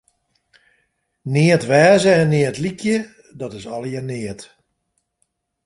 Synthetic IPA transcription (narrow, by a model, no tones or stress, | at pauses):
nɪətʋɛːzəɛnːɪətlikʰjə | dɔtɪsɔlˠjənɪət